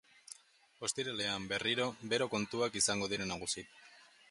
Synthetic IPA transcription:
o̞st̪iɾale̞ambe̞riɾo̞be̞ɾo̞ko̞nt̪uakisaŋɡo̞ð̞iɾe̞naɣ̞usit̪

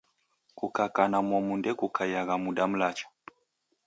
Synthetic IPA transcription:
kukakanamɔmundɛkukʰajaɣamuɗam̩lat͡ʃḁ

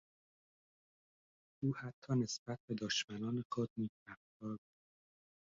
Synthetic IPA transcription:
ʔuːhæt̪ʰːɒːne̞sbæt̪̚be̞d̪ɒːʃmænɒːnexod̪̚niːzæft̪ɒːɾbuːd̪̥

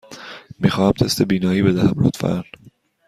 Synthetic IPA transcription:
miːxɒːhæmt̪ʰest̪ʰe̞biːnɒːiːbe̞d̪æhæmɾo̰t̪fæ̰n

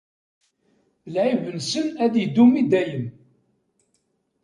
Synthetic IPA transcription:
lʕivənsənæðjəd̪umid̪æjəm

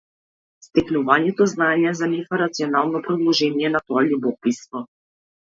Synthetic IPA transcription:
st̪ɛknuvaɲɛt̪ɔznaɲɛzanifaɾat̪siɔnalˠnɔpɾɔd̪lˠɔʒɛniɛnat̪ɔalibɔpisvɔ

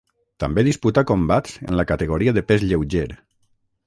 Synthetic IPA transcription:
t̪ambeðisput̪akombat̪zə̰nlakat̪eɣoɾiaðepezʎewʒeɾ

